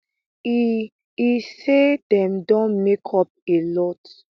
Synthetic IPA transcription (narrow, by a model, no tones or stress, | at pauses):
i | ised̥ɛ̃mdɔ̃mekʰɔp̚elɔt